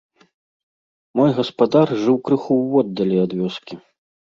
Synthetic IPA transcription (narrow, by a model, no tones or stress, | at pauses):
mɔjɣɐspad̪arʐɨwkɾɨxuwːɔd̪ːɐlʲɛad̪vʲɔskʲi